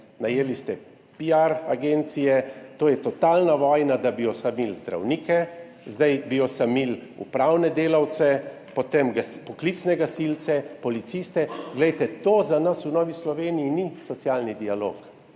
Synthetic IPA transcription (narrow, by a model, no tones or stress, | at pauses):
najelist̪ɛ | piaɾaɡent̪sijɛt̪oːjɛt̪ɔt̪aːlnaʋɔːjnad̪abijɔsamilzd̪ɾa̰wniːkɛ | zd̪ajbijɔsamilṵpɾawnɛd̪eːlawt̪sɛ | pɔt̪emɡaspɔklit̪snɛɡasilt̪sɛpɔlit̪sist̪ɛɡlɛjt̪ɛt̪oːzanasunɔːʋislɔʋeːnijinisɔt̪sjalnid̪ialo̰ːk